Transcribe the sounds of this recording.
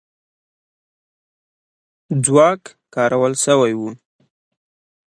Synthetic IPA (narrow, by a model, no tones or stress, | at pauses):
d͡zwɑkkɑɾawəlsəwajwu